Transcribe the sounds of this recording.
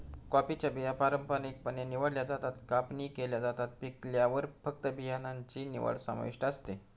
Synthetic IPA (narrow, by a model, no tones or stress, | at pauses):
kɔpit͡ɕjabijapaɾəmpanik̚pəneniʋəɽljad͡zat̪at̪kapniːkeljad͡zat̪at̪̚pikljaʋəɾfək̚t̪əbʱijanaɲt͡ɕiːnḭʋə̰ɽsa̰ma̰ʋḭʂʈəst̪e